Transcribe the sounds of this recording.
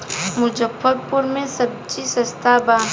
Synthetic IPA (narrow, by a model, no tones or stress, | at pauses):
mʊd͡ʒəbəd̪̚pʊɾmẽsɐb̚t͡ʃisɐst̪ʰabaː